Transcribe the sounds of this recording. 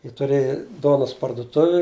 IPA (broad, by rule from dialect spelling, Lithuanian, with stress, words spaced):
jiɛ tʊˈrʲeːjɪ ˈduɔnɐs pɐrdʊˈtʊʋʲɪ